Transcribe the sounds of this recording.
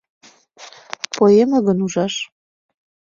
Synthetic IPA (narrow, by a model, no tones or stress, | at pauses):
pojemə̆ɣə̆nuʒɑʃ